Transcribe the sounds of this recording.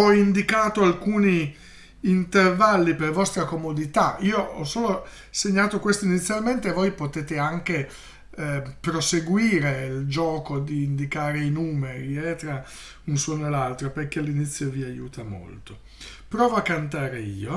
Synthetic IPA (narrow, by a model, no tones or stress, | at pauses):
ɔind̪ikaːt̪oalkuːniː | nt̪ervalːipervɔst̪ɾakomod̪it̪aiːoɔ̰soːlo | seɲːaːt̪okwest̪oinit̪sːjalment̪evojpot̪eːt̪eaŋke | pɾoseɡwiːɾeild͡ʒɔːkod̪iːnd̪ikaːɾeinuːmeɾiɛt̪ɾa | unsuːnoelalt̪ɾoperkealːinit̪sːjoviajṵːt̪ʰamo̰lt̪o | pɾɔːvoakːant̪aːɾeḭːo